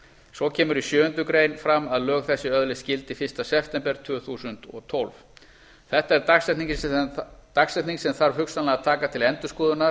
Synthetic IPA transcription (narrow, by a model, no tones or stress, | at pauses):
sɔcʰɛːmʏɾisjʏːʏnt̪ʏkɾeːjnfɾamːaðlœːɣθɛsːɪœðlɪscɪlt̪ɪfɪr̥st̪asɛpʰt̪ɛmpɛɾ̥t̪ʰvʏːθuːsʏnt̪ɔ̰ɣt̪ʰɔlv | θɛht̪aɛɾt̪aksɛt̪nic | t̪aksɛht̪niŋksɛmθaɾ̥hʏksanlaɣat̪ʰaːkat̪ʰɪlɛnt̪ʏskɔːðʏnaɾ